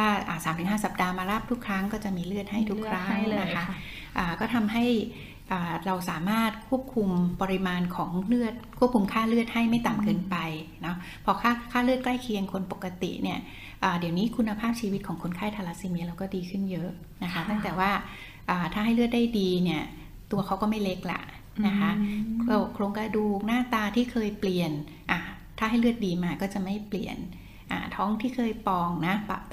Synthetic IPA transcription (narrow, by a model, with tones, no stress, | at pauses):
waː˥˩ʔa̰ː˨˩saː˨˩˦mt̪ʰɯ˨˩˦ŋɦaː˥˩sa˨˩p̚daː˧maː˧ɾaː˥˩p̚t̪ʰu˦˥kʰɾa˦˥ŋkɔː˥˩t͡ɕa˨˩ʔmiː˧lɯ˥˩ət̪̚ha˥˩jt̪ʰu˦˥kʰɾa˦˥ŋna˦˥kʰa˦˥ʔ | ʔaː˨˩kɔː˥˩t̪ʰa˧mɦa˥˩j | ʔaː˨˩ɾa˧wsaː˩˦maː˥˩t̪̚kʰu˥˩əp̚kʰu˧mpɔ˧ɾi˧maː˧nkʰɔː˩˦ŋlɯ˥˩ət̪̚kʰu˥˩p̚kʰu˧mkʰaː˥˩lɯ˥˩ət̪̚ha˥˩jma˥˩jt̪a˨˩mkɤː˧npa˧jnɔ˦˥ | pʰɔː˧kʰaː˥˩kʰaː˥˩lɯ˥ət̪̚klaː˥˩jkʰi˧əŋkʰo˧npo˨˩kːa˧t̪ḭ˨˩ʔni˥˩ɐ | ʔaː˨˩di˨˩˦wniː˦˥kʰu˧nːa˧pʰaː˥˩p̚t͡ɕʰiː˧wi˦˥kʰɔː˩˦ŋkʰo˧nkʰaː˥˩jt̪ʰa˧la˦˧˥siː˧mi˧˥əɾla˧wkɔː˥˩diː˧kʰɯ˥˩njɤ˦˥ʔ | na˦˥kʰa˦˥t̪a˥˩ŋt̪ɛː˨˩waː˥˩ | ʔaː˨˩t̪ʰaː˥˩ɦa˥˩jlɯ˥˩t̪̚daː˥˩jdiː˧ni˥˩ɐ | t̪u˧ɐkʰa˦˥wkɔː˥˩ma˥˩jle˦˥k̚la̰˨˩ʔ | na˦˥kʰa˦˥o˧˨˩kʰloː˧ŋkɾa˧duː˨˩k̚naː˥˩t̪aː˧t̪ʰiː˥˩kʰɤː˧jpli˨˩ən | ʔaː˨˩ | t̪ʰaː˥˩ɦa˥˩jlɯ˥˩ət̪̚diː˧maː˧kɔː˥˩t͡ɕa˨˩ma˥˩jpli˨˩ən | ʔa̰ː˨˩t̪ʰɔː˦˥ŋt̪ʰiː˥˩kʰɤː˧jpɔː˧ŋna˦˥pa˧